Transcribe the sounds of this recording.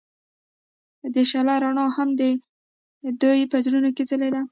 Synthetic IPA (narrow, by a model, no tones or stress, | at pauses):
d̪əʃalaɾaɳɑhamd̪ə | d̪ujpəzɾunokezəled̪a